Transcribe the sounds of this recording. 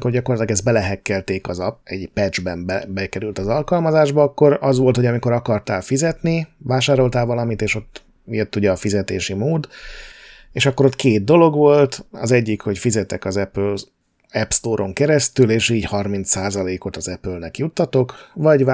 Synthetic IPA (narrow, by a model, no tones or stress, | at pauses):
ko̞rɟɒko̞rlɒt̪lɒɡɛzt̪bɛlɛɦɛkːɛlt̪eːkɒzɛɟpɛd͡ʒbɛmbɛbɛkɛɾylt̪ɒzɒlkɒlmɒzaːʒbɒɒkːo̞ɾɒzʋo̞lt̪ho̞ɟɒmiko̞ɾɒkɒrt̪aːlfizɛt̪nivaːʃaːɾo̞lt̪aːlvɒlɒmit̪eːʃo̞t̪ː | et̪ːuɟɛːfizɛt̪eːʃimoːd̪ | eːʃɒkːo̞ɾo̞t̪kʰeːd̪̚d̪o̞lo̞ɡʋo̞lt̪ɒ̰zɛɟːikho̞cfizɛt̪ɛkɒzɛpøl | ɛpst̪oːɾʔo̞ŋkɛɾɛst̪yleːʃiːɟhɒrmint̪saːzɒleːko̞t̪ɒzɛpølnɛkjut̪ːɒt̪o̞kvɒɟ